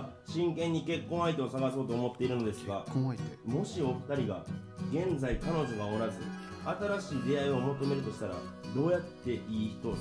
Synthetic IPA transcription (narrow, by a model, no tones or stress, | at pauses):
ɕĩŋkẽ̞ɲ̟ːike̞kːõ̞ɰ̃ait̪e̞osaɡaso̞ːt̪o̞ːmo̞t̪ːe̞iɾɯ̟no̞d̪e̞sɨɡamo̞ɕio̞ɸɯ̟̥t̪aɾʲiɡaɡẽ̞nd͡zaikano̞ʑo̞ɡao̞ɾazɨ | at̪aɾaɕiːd̪e̞aio̞mo̞t̪o̞me̞ɾɯ̟t̪o̞ɕi̥t̪aɾa̰d̪o̞ːjat̪ːe̞ʔiːçi̥t̪o̞